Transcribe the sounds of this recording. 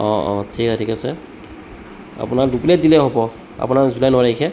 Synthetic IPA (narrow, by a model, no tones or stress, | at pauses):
ɔ̃ɔ̰̃tʰiksɛtʰikasɛ | a̰punaduplet̚dilɛɦɔbɔ | a̰punaɹzulajnɔaɹaikʰɛ